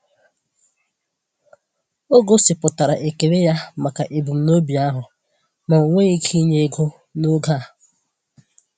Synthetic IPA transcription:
o˦ɡo˦sɪ˨pʊ˨ta˨ɾa̰˨ʔe˨ke˨ɾe˦ja˦ma˨ka˨ʔe˨bu˨m̩˨no˦bi˨a˦ɦʊ˨ | ma˨o˨ŋʷe˦i˦kʰi˦ɲe˦ɡo˦ | no˦ɡa˦˨

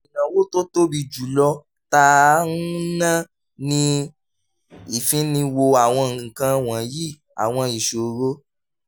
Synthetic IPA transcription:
i˨nã˨wo˦to˦to˦bi˧d͡ʒu˨lɔ˧ | ta˧˦ũ˦nã˦ | nĩ˧ | i˨fĩ˨˦nĩ˧wo˧a˨w̃ɔ̃˧˨kã˧w̃ã˨ji˦˨ | a̰˨w̃ɔ̃˧i˨ʃo˨ɾo˦

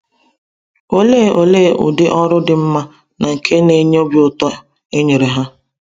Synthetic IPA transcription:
o˦leː˦˨o˨leː˦˨ʔʊ̰˨dɪ˦ʔɔ˦ɾʊ˦dɪ˨m̩˦ma˦ | na˨ŋ̩˨kʰe˦ne˦ɲ˦o˦bi˨ʊ˨tɔ˦ | e˦ɲe˨ɾe˨ɦa˦

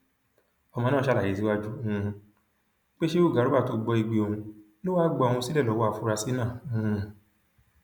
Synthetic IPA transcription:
ɔ˧mɔ̃˧nãː˦˨ʃa˦˨la˨i˨si˦wa˦d͡ʒũ˦˧ | k͡pe˦ʃe˦u˦˨ɡa˨˦ɾu˦a˦˨to˧ɡ͡bɔ˧i˧ɡ͡be˧o˧ũ˧ | lo˦waː˦ɡ͡bɔ˧˦˧ũ˧si˦lɛ˦˨lɔ˨˦wɔ˦a˦˨fu˦ɾa˧si˦nãː˦˨˦

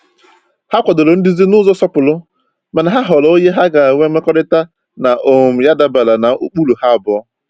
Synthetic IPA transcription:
ha˦kʷɔ˨do˨lo˨n̩˦dɪ˦zi˦nʊ˦zɔ˦sɔ˦pʊ˨lʊ˦ | ma˨na˨ɦa˦ɦɔ˨lɔ˨˦o˦ɲe˦ɦa˦ɡa˨ŋʷe˦me˦kɔ˦ɾɪ˦ta˦ | na˨ʔo˨m̩˨ja˦da˦ba˨la˨na˨ṵ˦k͡pu˦lu˨ha˦a˨bʊ˨˦

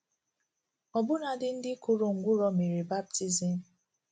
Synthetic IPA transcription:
ɔ˨bʊ˦na˨dɪ˦n̩˦dɪ˦kʊ˦ɾo˨ŋ̩˨ɡʷʊ˦ɾɔ˨me˨ɾi˨ba˦b̚ti˦zi˨m̩˦˨

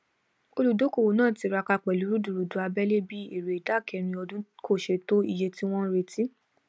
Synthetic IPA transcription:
o˧lu˨do˨˦ko˦˨wo˨nãː˦˨ti˧ɾa˧ka˧k͡pɛ˨lu˨˦ɾu˦du˨ɾu˨dũ˨˦a˧bɛ˦le˦bi˦e˨ɾe˨i˨da˦˨kɛ˧ɾ̃ĩ˧ɔ˧dũ˦kʰo˦˨ʃe˧to˦ḭ˦˨je˧ti˦w̃ɔ̃˦ɾe˧ti˦

